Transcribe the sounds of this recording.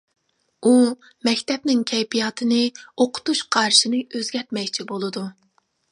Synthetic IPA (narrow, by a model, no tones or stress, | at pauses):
u | mɛkʲt̪ʰɛpnɪŋkʲʰɛjpʰijɑːt̪ʰɨnɨoqʰʊ̥t̪uʃqʰɑɾʃinɨøzɡʲɛɾt̪mɛkʲt͡ʃʰibolˠɨd̪u